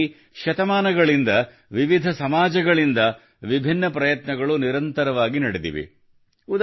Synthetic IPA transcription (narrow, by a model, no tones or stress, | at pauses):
ʃɐt̪ɐmaːnɐɡɐɭind̪ɐ | ʋiʋid̪ʱɐsɐmaːd͡ʒɐɡɐɭind̪ɐ | ʋibʱinːɐpɾɐjɐt̪nɐɡɐɭuniɾɐnt̪ɐɾɐʋaːɡinɐɽid̪ḭʋḭ | ud̪